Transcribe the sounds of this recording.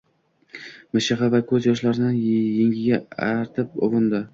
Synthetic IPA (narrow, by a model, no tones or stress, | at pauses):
mɪʃɪʁɑvakʰɵzjɒʃlaɾɪnɪnjeŋʲɪɡʲaaɾt̪ʰɪp̚ʊ̰vɨnd̪ɪ